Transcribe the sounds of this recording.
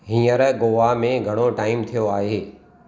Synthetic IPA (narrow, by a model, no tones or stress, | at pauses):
ɦĩːəɾɡoːʋamẽɡʱɐɽ̃oʈaːɪmt̪ʰijoaːɦeː